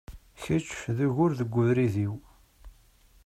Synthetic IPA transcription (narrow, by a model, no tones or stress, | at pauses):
çət͡ʃːfðəʝʊɾðəɡʷːʊðɾiðiw